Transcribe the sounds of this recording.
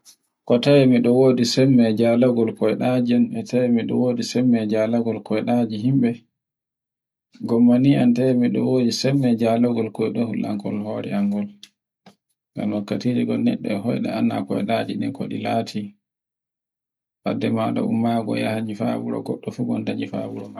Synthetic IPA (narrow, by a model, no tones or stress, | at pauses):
kɔtawɛmiɗɔwoːdisɛmːɛd͡ʒalaɡɔlkɔjɛɗad͡ʒianɛtajɛmiɗɔ̰woːdisɛmːɛd͡ʒalaɡɔlkʰɔjɛɗad͡ʒiɦimɓɛ | ɡɔmːaniantajɛmiɗɔ̰wodisɛmːɛd͡ʒalaɡɔlkɔjɗɔhulʔaŋkɔlhoɾɛ̰aŋɡɔl | ŋɡa̰mwakːatid͡ʒiɡɔlnɛ̰ɗːɛhɔjɗɛ̰anːa̰kɔjɗad͡ʒiɗɛnko̰ɗḭlaːtʰi | ha̰dɛmada̰umːaɡɔ̰jahaɲifabuɾɔ̰ɡɔɗːɔfubɔndaɲifa̰buɾɔma